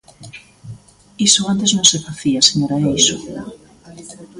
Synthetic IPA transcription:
isoant̪eznõŋsefaθiaseɲoɾaeiso

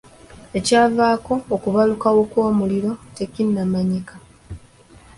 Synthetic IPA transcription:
e̞caːvaːko̞ːkuβalukawokwo̞ːmuliɾo̞te̞cinːamaɲika

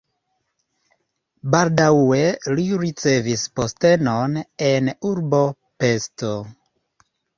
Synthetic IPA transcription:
baldawe̞liɾit͡se̞vispo̞ste̞no̞ne̞nuɾbo̞ | pe̞sto

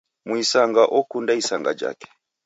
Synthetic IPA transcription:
mwisaŋɡaʔɔkundaisaŋɡa̰d͡ʒa̰kɛ̥

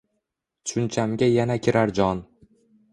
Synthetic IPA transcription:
t͡ʃʰʊnt͡ʃʰamɡʲajanakʲʰɪɾaɾd͡ʒɒn

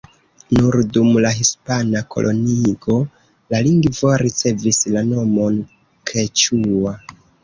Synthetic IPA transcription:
nuɾdumlaɦispanakʰo̞̰lʔo̞niɡo̞ | laliŋɡvoɾit͡se̞vislano̞mo̞n | kʰe̞t͡ʃua

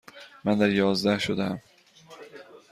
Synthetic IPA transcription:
mænd̪æɾjɒːzd̪æhʃod̪ææm

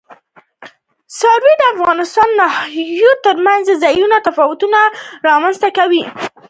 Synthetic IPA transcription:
sɑɾwed̪əafɣɑnɪst̪ɑnːahjot̪əɾmanzəzajunat̪afɑwʊt̪unaɾɑmanst̪akawi

